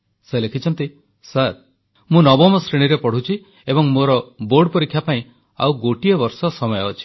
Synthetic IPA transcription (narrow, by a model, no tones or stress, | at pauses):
selekʰit͡ʃʰɔnt̪i | saɾ | mũnɔbɔmɔsɾiɽ̃iɾepɔɽ̤ut͡ʃʰi | ebɔŋmoɾɔboɾɖpɔɾikʰːjapaĩ | a̰wɡoʈiɔbɔɾsɔsɔmɔjɔːt͡ʃʰi̥